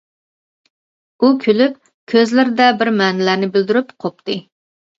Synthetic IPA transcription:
ukʲʰylyp | kʲʰøzlɪɾɪd̪ɛbɪɾmɛnɪlæɾnɪbɪld̪yɾypqʰop̚t̪ɨ

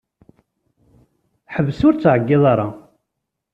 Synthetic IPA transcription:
ħəvsʊɾt͡sːʕəɡːɪðˤɑɾˤɑ

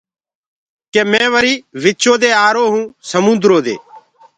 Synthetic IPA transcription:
keːmɛ̃ːʋəɾiːʋɪt͡ʃoːd̪eːaːɾoːɦũːsəmʊ̃nd̪ɾoːd̪ḛː

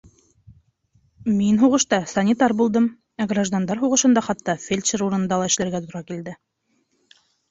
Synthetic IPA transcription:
minɦuʁɤ̆ʃt̪ɑsɐnʲit̪ɑɾbulˠd̪ɤm | æɡraʒd̪and̪ɑɾɦuʁɤ̆ʃɤ̆nd̪ɑχɑt̪ːɑfʲelʲʃɘɾuɾɤ̆nɤ̆nd̪ɑlˠɑɘ̆ʃlæɾɡæt̪oŭɾɑkild̪ɘ

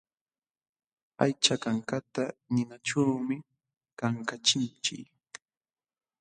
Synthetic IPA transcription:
a̰jt͡ʃakaŋkat̪anɪnaʈ͡ʂawmɪ | kaŋkat͡ʃɪnt͡ʃɪ̰k

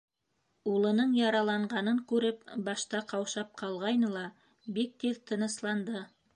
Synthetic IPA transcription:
ulˠɤ̆nɤɴjɑɾɑlˠɑɴʁɑnɤŋkʉɾɘpbɑʃt̪ɑqɑwʃɑp̚qʰɑlˠʁɑjnɤlˠɑ | bik̚t̪ilt̪ʰɤ̆nɤ̆slˠɑnd̪ɤ

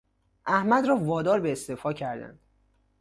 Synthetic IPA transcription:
ʔæhmæd̪ɾɒːvɒːd̪ɒːɾbeːst̪efɒːcʰæɾd̪æ̰nd̪̥

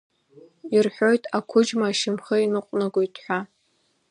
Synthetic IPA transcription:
irħʷᶣo̞jtʰʼakʷʰʊd͡ʒmaːʃɪmχəinɨqʷʼnɨɡʷojtʰʼħʷᶣa

